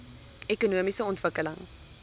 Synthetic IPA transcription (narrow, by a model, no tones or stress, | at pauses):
ɛkunuəmisəɔntvəkələ̰ŋ